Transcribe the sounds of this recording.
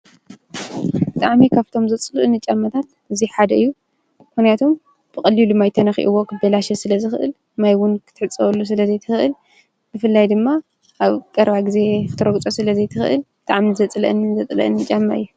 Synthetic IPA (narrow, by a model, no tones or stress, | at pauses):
bɨt̪ʼa̰ʕmikʰaβt̪ʰo̞mzɐt͡sʼlɨʔɨnɨt͡ʃʼːamːɐt̪ʰat̪ | ɨziħad̪ɐɨjːu | mxnijat̪ʰo̞m | b̥ɨkʼɐlːilumajt̪ʰɐnɐxḭʔɨwo̞kʰɨbɐlaʃɛsɨlɐzɨxɨʔɨ̰l | majwʊnkʰɨ̥t̪ʰɨħɨt͡sʼːɐβɐlːus̬ɨlɐzejt̪ʰɨxɨʔɨl | bɨfɨlːajd̪ɨmːa | ʔaβkʼɐɾbaɡɨze̞t̪ʰɨɾoɡt͡sʼo̞sɨlɐzejt̪ʰɨxɨʔɨ̰lbbɨt̪ʼaʕmizɐt͡sʼlɐ̰ʔɨnːɨzɐt͡sʼlɐ̰ʔɨnːɨt͡ʃʼːamːa̰ʔɨjːu